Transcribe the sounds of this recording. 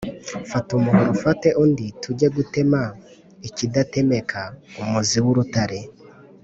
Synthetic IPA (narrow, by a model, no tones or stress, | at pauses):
fatumuhoɾofate̞ʔunditʰuɟe̞ɡute̞ma | icidate̞me̞kʰaumuziwuɾutaɾe̞